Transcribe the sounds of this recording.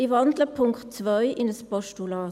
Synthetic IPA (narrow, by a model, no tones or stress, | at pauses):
ivɑndləpʰʊŋktt͡svœʏʔɪnəspɔʃtulɑː